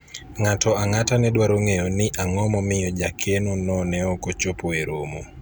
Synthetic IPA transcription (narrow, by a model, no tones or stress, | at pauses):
ŋatɔaŋatanɛdwaɾoŋeonɪʔaŋɔmɔmɪjɔd͡ʒakʰenonɔnɛɔkot͡ʃopoeɾomo